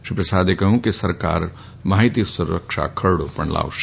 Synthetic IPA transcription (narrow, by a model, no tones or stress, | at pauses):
ʃipɾɐsaːd̪ekɐɦũkisɐɾka̰ːɾ | maːɦit̪isʊɾːə̰kʃa̰kʰɐɾɽopɐɳla̰ːʋʃ